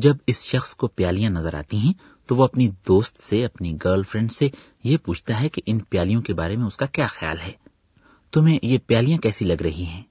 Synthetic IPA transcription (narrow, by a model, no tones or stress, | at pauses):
d͡ʒɐbɪsʃɐxskopjaːlijãnɐzəɾa̰ːt̪iɦɛ̃ | t̪oʋoɐpnid̪oːst̪seɐpniɡəːɾlfɾɛ̃ɳɖse | jepuːt͡ʃʰt̪aɦɛkeʔɪnpjaːlijõkebaːɾemẽʊskakjaːxja̰ːlɦɛː | t̪ʊmẽjepjaːlijãkɛːsilɐɡɾɐɦiɦɛ̃ː